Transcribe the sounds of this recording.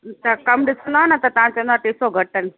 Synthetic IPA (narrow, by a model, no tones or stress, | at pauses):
t̪ɐkɐmɗɪsonaanɐt̪ɐt̪ɐʋ̤ãt͡ɕɐ̃nd̪aʈ̪eːsoɡʱɐʈən